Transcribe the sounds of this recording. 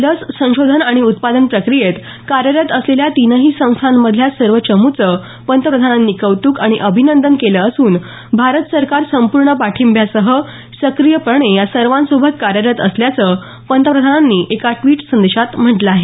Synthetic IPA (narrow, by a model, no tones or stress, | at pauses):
ləssə̃w̃ɕod̪ʱənaɽ̃iut̪pad̪ənpɾəkɾijet̪ | kaɾjəɾjət̪əsleljat̪inəɦiːsə̃w̃st̪ʰanːəd̪ʱljasəɾʋət͡ɕəmut͡sə | pənt̪əpɾəd̪ʱananːiːkəʋt̪uːkaɽ̃iʔəbʱinənd̪ənkeləːsuːn | bʱaɾət̪səɾkaɾsəmpuɾɳəpaʈʰimbʱjasəɦə | səkɾijəpəɳejasəɾʋansobʱət̪̚kaɾjəɾjət̪əsljat͡sə | pənt̪əpɾəd̪ʱananːiːʔekaʈʋiːʈsənd̪eɕat̪m̤əʈləaɦe